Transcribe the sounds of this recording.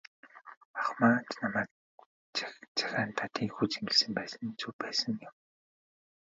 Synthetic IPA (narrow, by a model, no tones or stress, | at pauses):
aχmaːnt͡ɕnamæːk̚ | t͡sʰḁxʲaːnt̪ʰat̪iːŋxut͡ɕemɪ̆ɮsɘ̆mpæːsə̆nt͡sʰuːpæːsə̆ŋjʊm